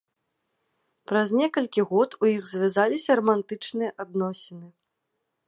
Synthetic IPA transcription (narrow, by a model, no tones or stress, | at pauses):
pɾɐzʲnʲɛkɐlʲkʲiɣɔt̪ujiɣzʲvʲazalʲisʲɐɾɐmant̪ɨt͡ʂnɨjɐʔad̪nɔsʲɛnɨ